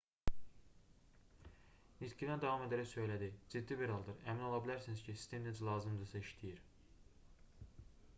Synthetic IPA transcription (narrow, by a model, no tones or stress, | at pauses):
nit̪ʰciɾænd̪ævɑme̞d̪æɾæçsø̞jlæd̪id͡ʒid̪ːibiɾɑlˠd̪ɯɾæmino̞lˠɑbilæɾsiniz̥cʰisisd̪imned͡ʒlˠɑːzɯmd̪ɯsæiʃt̪ʰijiɾ